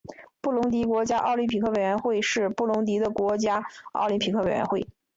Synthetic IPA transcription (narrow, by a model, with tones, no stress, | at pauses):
pu˥˩lʊ˧˥ŋt̪̬i˧˥kwɔ˧˥t͡ɕja˥ʔɑ̰˥˩ʊli˧˥npʰi˨˩kʰɤ˥˩we˨˩ɥɛ˧˥nxwe˥˧ɪʂɻ̩˥˧pu˥˩lʊ˧˥ŋt̪̬i˧˥d̪ə˧kwɔ˧˥t͡ɕja˥ɑ̰˥˩ʊli˧˥npʰi˨˩kʰɤ˥˩e˨˩ɪɥɛ̰˧˥nxwe˥˩ɪ